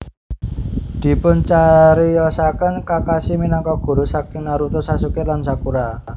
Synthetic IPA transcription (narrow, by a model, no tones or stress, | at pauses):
d̪̥i̤pʊnt͡ʃaɾijɔsakənkakasiminɔŋkɔɡ̥ṳɾusak̚ɪŋnaɾut̪ʊsasukɪlansakuɾa